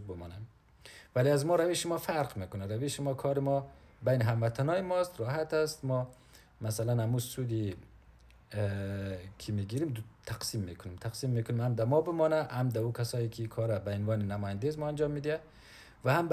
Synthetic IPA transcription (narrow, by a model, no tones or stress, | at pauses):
bɪmɔnam | valiazmɔɾaveʃimɔfaɾqmekʊnaɾaveʃimɔkʰɔɾimɔ | bajniɦamːat̪ʰanɔimɔst̪ɾɔɦat̪ast̪mɔ | masalanamusud̪i | kʰimiɡiɾimt̪ʰaqsimːekʰʊnimt̪ʰaqsimːekʊnimhamd̪amɔbɪmɔnahamd̪aukʰasɔːjikʰikʰɔɾabainvɒːninamɔjand̪ezmɔand͡ʒɒmːid̪ia | vahamb